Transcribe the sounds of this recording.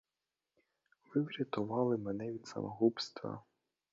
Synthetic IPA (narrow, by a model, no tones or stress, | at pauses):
ʋɪwɾʲɐt̪ʊʋɑlˠɪmɛnɛʋʲid̪sɐ̰mɔɦupst̪ʋɐ̰